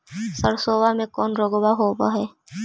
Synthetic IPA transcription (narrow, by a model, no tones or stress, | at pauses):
səɾsoːʋamẽkɔːnɾoːɡbaɦoːbaɦɛː